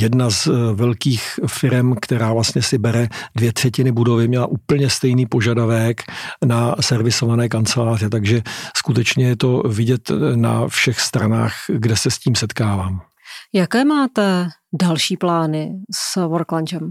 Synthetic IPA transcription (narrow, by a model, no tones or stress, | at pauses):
jɛdnazvɛlkiːxfɪɾɛmkt̪ɛɾaːvlast̪ɲɛsɪbɛɾɛdvjɛt̪r̥ɛcɪnɪbudo̞vɪmɲɛla̰ʔuːpl̩ɲɛst̪ɛjniːpo̞ʒadavɛknasɛɾvɪso̞vanɛːk̬ant͡sɛlaːr̝ɪt̪aɡʒɛskut̪ɛt͡ʃɲɛjɛt̪o̞vɪɟɛt̪na̰fʃɛxst̪ɾana̰ːxɡdɛsɛsciːmsɛt̪kaːvaːm | jakɛːmaːt̪ɛdalʃiːplaːnɪsvoɾkland͡ʒɛm